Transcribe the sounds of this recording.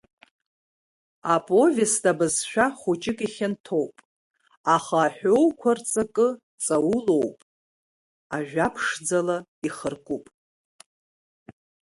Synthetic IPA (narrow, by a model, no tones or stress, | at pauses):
apʼo̞vestʼabɨzʃᶣaχut͡ʃʼɪkʼiχʲɪntʰo̞wpʼ | aχaːħʷᶣowkʷʰart͡sʼakʼɨ | t͡sʼawulo̞wpʼ | aʒᶣʷapʰʂd͡zalaiχərkʷʼupʼ